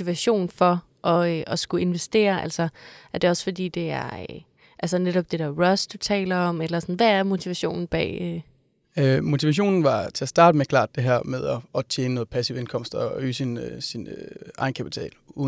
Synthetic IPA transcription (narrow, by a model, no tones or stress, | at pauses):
iʋæɕo̝̰ːn̩fɒ̽ | ʔɒ̽øʔɒ̽sɡ̥ue̝nʋesd̥e̝̰ːɐʔæl̰sɐʔæɐd̥e̝ɒ̽sfɒ̽d̥ḭːd̥e̝æɐ | ʔælsɐneɾ̥ɒ̽b̥̚d̥e̝d̥eɐʁɒsd̥ut͡sʰɛ̰ːlɐɒ̽melɐsɒnʋææɐmo̝t͡sʰiʋæɕo̝̰ːnn̩b̥ɛ̰ːø | ømo̝t͡sʰiʋæɕ̬o̝̰ːnn̩ʋɑ̈t͡sʰe̝æsd̥ɑ̈ːdəmekʰlɑ̰̈ːd̥e̝ɦæɐ̰meðˠɒɒ̽t͡sʰjeːnənɔ̽ð̩ˠpʰæsiʊ̰enkʰɒ̽m̰sd̥ɒy̰ːsinøsinøʔɑ̈ɪnkʰæpʰi̥t͡sʰɛ̰ːluː